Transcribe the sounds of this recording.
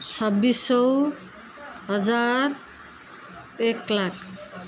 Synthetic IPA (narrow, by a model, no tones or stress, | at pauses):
t͡sʰʌbːisʌw | ɦʌd͡zar | eklakʰ